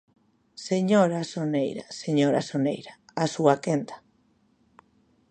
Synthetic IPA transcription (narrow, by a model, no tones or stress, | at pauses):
seɲoɾasonejɾa̰seɲoɾasonejɾaasuakent̪ḁ